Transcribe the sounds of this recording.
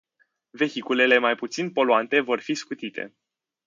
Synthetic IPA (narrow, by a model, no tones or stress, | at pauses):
ve̞çikule̞le̞majput̪sinpo̞loant̪e̞vo̞rfiskut̪it̪ʰe̞̰